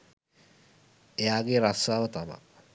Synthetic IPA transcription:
eaːɡeːɾasaːʋət̪ama̰

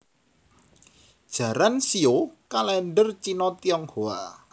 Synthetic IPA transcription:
d̥ʒ̥ä̤ɾansiokalɛnɖərt͡ʃinɔt̪iɔŋhoa̰

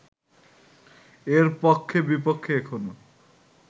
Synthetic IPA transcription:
eɾpokʰːebipokʰːeekʰono

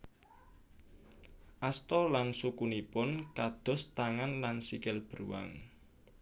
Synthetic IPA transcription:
ʔast̪ɔlansukunipʊnkad̪̥ɔ̤st̪aŋanlansikɪlb̥əɾuwa̰ŋ

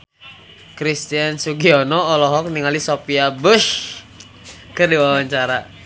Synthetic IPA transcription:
kɾist̪iansuɡiɔnɔːlɔɦɔk̚niŋalisopiabəʃ | kərdiwawaɲt͡ʃaɾa

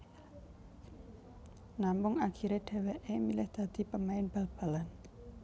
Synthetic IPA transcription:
nampʊŋakʰiɾeɖ̥e̤weʔemilɪhd̪̥ä̤d̪̥i̤pəmaɪnb̥a̤lb̥a̤lan

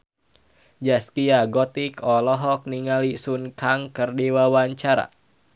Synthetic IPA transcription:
d͡ʒaskiaɡɔt̪ikɔlɔɦɔk̚niŋalisunkaŋkərdiwawaɲt͡ʃaɾa̰

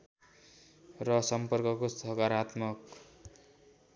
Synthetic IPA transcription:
rʌsʌmpʌrkʌkost̪ʰʌkaɾat̪mʌk

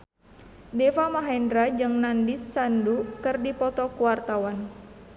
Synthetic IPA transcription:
dɛfamaɦɛndɾad͡ʒɨŋnandisːandukɨrdipɔt̪ɔkuwart̪awan

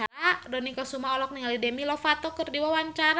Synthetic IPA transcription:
aadɔnikɔsumaɔlɔk̚niŋalidɛmilɔfat̪ɔkərdiwawaɲt͡ʃaɾa

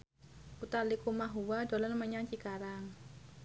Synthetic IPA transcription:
ʔut̪alikumaɦuwad̪o̤lanməɲaŋt͡ʃikaɾaŋ

